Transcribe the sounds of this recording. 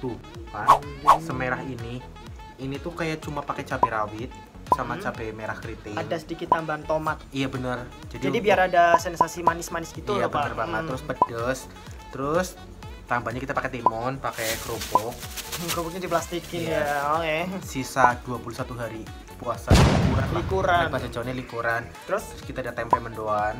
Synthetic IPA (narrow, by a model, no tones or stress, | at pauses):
t̪u | pasəmeɾaɦini | init̪ukajat͡ʃumapakɛt͡ʃapeɾawɪt̪̚ | samat͡ʃabɛmeɾahkɾit̪ɪadasədikɪt̪ːambant̪omat̪̚ijabənər | d͡ʒadiadibiaɾadasɛnsasimanɪsmanɪsɡit̪uabəərbaaəɾʊspədəs | t̪əɾʊs | t̪ambaɲakit̪apakɛt̪imɔnpakɛkɾupʊk̚kɾupʊk̚ɲadiplast̪ikinjakɛsisaduapulusat̪uɦaɾi | puasakukalaikuɾapasad͡ʒawunɲalikuɾant̪əɾʊsəɾʊskit̪adat̪ɛmpɛməndoan